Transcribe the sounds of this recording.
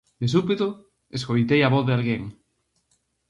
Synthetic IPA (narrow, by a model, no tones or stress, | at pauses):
d̪esupit̪o | eskojt̪ejaβoθðealɣeŋ